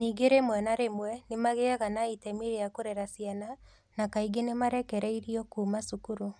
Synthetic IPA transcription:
niːɡeɾemwɛnaɾemwɛnemaɣeaɣanaitɛmiɾeakoɾɛɾasiana | nakaiɡenemaɾɛkɛɾɛiɾiɔkuːmasukuɾu

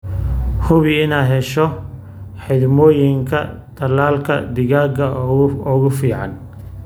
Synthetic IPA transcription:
hʊβɪɪnaːɦɛʃɔ | ħɪd̪mɔːjɪŋkʰɐ̰t̪ʰɐlaːlkʰɐ̰d̪ɪɣaːɡɐɔɣʊfiːʕɑ̰n

